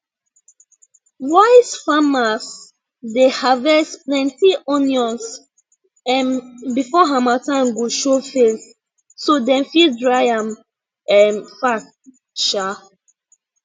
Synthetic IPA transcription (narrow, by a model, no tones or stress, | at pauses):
waɪsfamas | dehavɛsplɛ̃ntiʔɔnjɔ̃ns | ɛ̃nbifɔɦamatãmɡoʃofes | sodɛ̃mfildɹajãm | ɛnfak | ʃa